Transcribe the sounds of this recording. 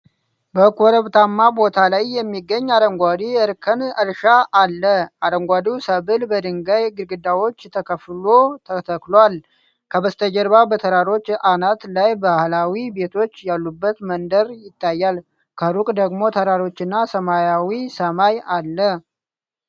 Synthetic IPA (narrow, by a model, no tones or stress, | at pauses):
bəkʰoɾəβt̪ʰamːabo̞t̪ʰalajːɛmːiɡːəɲːad̪əŋɡʷad̪iəɾkʰənəɾʃaʔːlːəʔad̪əŋɡʷad̪usəβɨlbəd̪ɨŋɡajɡɨɾɡɨd̪awo̞t͡ʃːt̪ʰəkʰəflo̞t̪ʰət̪ʰəklwal | kʰəbəst̪ʰəd͡ʒəɾbabət̪ʰəɾaɾo̞t͡ʃːanat̪lajbahlawibe̞t̪ʰo̞t͡ʃːjalːubːət̪mənd̪əɾjɪt̪ːajːal | kʰəɾukʼd̪əɡmo̞t̪ʰəɾaɾo̞t͡ʃːɨnːasəmajawisəmajalːə